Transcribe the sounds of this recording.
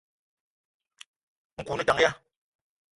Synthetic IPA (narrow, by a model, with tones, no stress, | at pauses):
ŋ̩˨ku˨ni˦ta˨˦ŋja˦